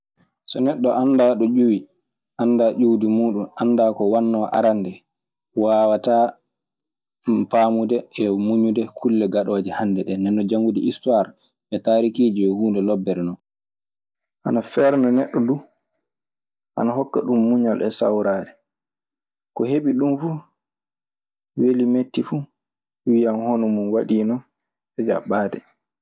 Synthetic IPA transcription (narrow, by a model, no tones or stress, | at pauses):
sɔnɛɗːɔʔandaɗɔd͡ʒuwi | ʔanːdaːʔuwdimuːɗunʔanːdaːkɔwanːɔʔa̰ɾandɛ | waːwata | faːmudɛɛmuɲudɛkʰulːɛɡaɗoːd͡ʒɛhandɛɗɛnɛnːɔd͡ʒaŋɡudiistwaɾ | ɓɛtaːɾikiːd͡ʒiɛhuːndɛlɔbːɛɾnɔn | ʔa̰nafɛɾnanɛɗːɔdu | ʔa̰naɦɔkːa̰ɗumːuɲalʔɛsa̰wɾaːdɛ | kɔheɓiɗumfu | welimetːifu | wijanhɔnɔmunwaɗiːnɔ | ɛd͡ʒa̰ɓaːdɛ̰